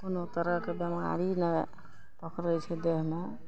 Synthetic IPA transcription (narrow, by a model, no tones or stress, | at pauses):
konot̪əɾəɦkebema̰ɾinɛ | pəkɾəjt͡ʃʰɛd̪eɦme